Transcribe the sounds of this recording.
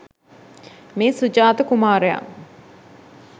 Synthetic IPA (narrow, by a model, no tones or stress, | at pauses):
meːsud͡ʒaːt̪əkumaːɾəja̰m